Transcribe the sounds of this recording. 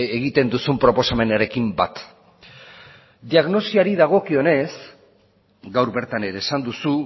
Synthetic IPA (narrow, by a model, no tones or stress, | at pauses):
eɣit̪e̞nd̪usumpɾo̞po̞same̞naɾe̞kimba̰t̪ | d̪iaɣno̞siaɾiðaɣ̞o̞kio̞ne̞s | ɡawɾbe̞ɾt̪ane̞ɾeːsand̪usu